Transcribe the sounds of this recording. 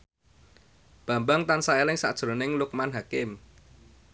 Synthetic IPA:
b̥ä̤mbaŋt̪ansaelɪŋsa̰ʔd̥ʒ̥ɾo̤nɪŋlʊk̚manɦakɪm

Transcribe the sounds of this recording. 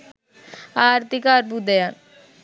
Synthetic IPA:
aːɾt̪ikaːɾbud̪ejan

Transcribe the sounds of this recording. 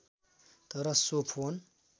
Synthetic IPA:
t̪ʌɾʌsopʰon

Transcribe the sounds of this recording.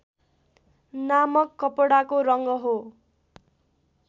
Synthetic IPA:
namʌkːʌpʌɽakoɾʌŋɡʌɦo

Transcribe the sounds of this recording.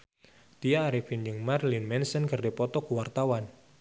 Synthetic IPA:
t̪ijaːɾifind͡ʒɨŋmarlinmɛnsənkərdepɔt̪ɔkuwart̪awan

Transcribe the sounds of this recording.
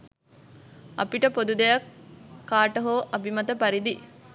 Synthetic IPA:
ɐ̰piʈəpod̪ud̪ɐjɐkʰːaːʈɐɦoːʔɐbimɐt̪ɐpɐɾid̪i

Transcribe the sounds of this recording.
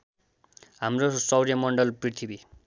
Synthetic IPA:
ɦamrosʌwɾijamʌɳɖʌlprit̪ʰibi

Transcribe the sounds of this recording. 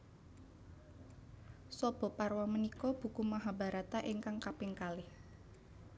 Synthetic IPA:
sɔb̥ɔ̤parwamənikɔb̥ṳkumaɦaba̤ɾat̪aʔiŋkaŋkapɪŋkalɪh

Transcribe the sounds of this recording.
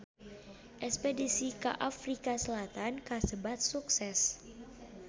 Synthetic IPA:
ʔɛkspedisika̰ʔafɾikasəlat̪ankasəbat̪̚suksɛs

